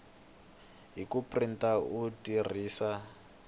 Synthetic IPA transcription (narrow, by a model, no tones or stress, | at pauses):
ɦikuprintautir̤iːsa